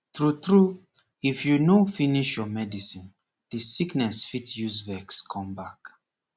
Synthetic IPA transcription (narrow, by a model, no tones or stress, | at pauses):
tɹutɹu | ifjunofiniʃjɔmɛdisĩn | disiknɛsfitjuzvɛkskʰɔ̃mbak